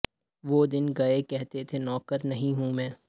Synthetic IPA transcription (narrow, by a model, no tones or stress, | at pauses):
ʋoːd̪ɪnɡɐekɛɦt̪et̪ʰenɔːkəɾnɐɦĩɦũmɛ̃ː